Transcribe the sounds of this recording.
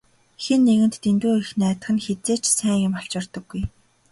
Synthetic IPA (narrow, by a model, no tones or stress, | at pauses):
xenːeɣɘ̆nt̪ːent̪uːɾ̆xnæːt̪ə̆χɘ̆nxet͡seːt͡ɕsæːŋjʊmɔɬt͡ɕɔrt̪ɞ̆ɡːuj